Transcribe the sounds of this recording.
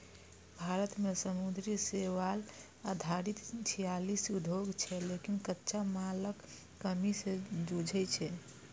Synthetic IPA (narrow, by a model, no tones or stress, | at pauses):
bʱaɾət̪mesəmud̪ɾiseʋal | ad̪ʱaɾit̪t͡ʃʰijalisud̪ʱoɡt͡ʃʰɛlekinkətːʃamaləkː | əmisẽd͡ʒud͡ʒʱɛt͡ʃʰɛ